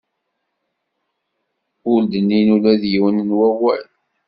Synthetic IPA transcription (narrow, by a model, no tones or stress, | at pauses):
ʊld̪ənːinulæðjiwənnwæwæ̰l